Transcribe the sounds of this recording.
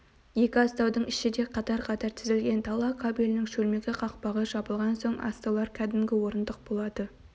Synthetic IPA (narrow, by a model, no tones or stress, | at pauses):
je̞kʲɪɑst̪ɑwd̪əɴɪʃɪd̪e̞qʰɑt̪ɑɾqʰɑt̪ɑɾt̪ʰɪzɪlɡʲe̞nt̪ʰɑlˠɑkʰɑbilʲɪnɪŋʃɵlme̞ɡʲɪqʰɑq̚pɑʁəʒ̥ɑbəlˠʁɑnso̞ɴɑ̰st̪ɑwlˠɑɾkʲʰæd̪ɪmɡʲɪwo̞ɾənd̪əq̚bo̞lˠɑd̪̥ə